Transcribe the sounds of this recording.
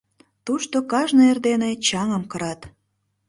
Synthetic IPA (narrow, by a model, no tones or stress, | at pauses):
t̪uʃt̪okɑʒnoerd̪enet͡ɕɑŋəmkəɾɑt̪